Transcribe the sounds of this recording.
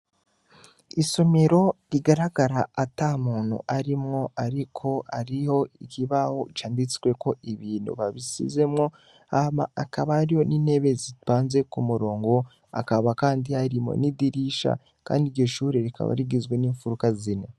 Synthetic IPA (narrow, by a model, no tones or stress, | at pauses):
iso̞me̞ɾo̞ɾiɡaɾaɡaɾaatamuːn̥hṵʔaɾimŋo̞aɾikʰo̞aɾiho̞ikiβaho̞t͡ʃaːndit͡sɡwe̞ko̞iβiːn̥ṵβaβisḭze̞mŋo̞ | ama̰akaβaːɾiho̞nine̞βe̞ziβaːnze̞kumuɾo̞ːŋɡo̞ | a̰kaβakaːndihaɾimo̰nidiɾiʃa̰ | ka̰ːndiɾɟo̞ʃuːɾeɾikʰa̰βa̰ɾiɡizɡwe̞niːɱfuɾukazine